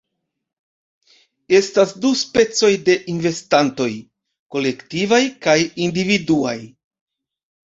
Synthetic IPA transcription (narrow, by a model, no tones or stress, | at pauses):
e̞stasduspe̞t͡so̞jde̞ʔinve̞stanto̞j | ko̞le̞ktivajkajindividua̰j